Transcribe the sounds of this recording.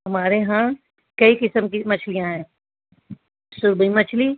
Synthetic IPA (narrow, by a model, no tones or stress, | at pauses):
ɦɐmaːɾeɦã | kɐikɪsəmkimɐt͡ʃʰlijãɦɛ̃ː | sʊɾbimɐt͡ʃʰli